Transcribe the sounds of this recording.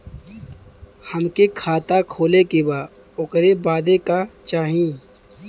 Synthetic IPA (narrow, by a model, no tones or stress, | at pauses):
həmkekʰaːt̪akʰoːlekebaː | ʊkɾebaːd̪ekat͡ʃaːɦĩː